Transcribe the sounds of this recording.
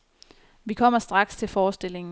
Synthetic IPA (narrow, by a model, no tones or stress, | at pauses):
ʋikʰɒ̽m̰ɐsd̥ʁɑ̈ɡ̥st͡sʰe̝lfɒːsd̥e̝l̰e̝ŋ̩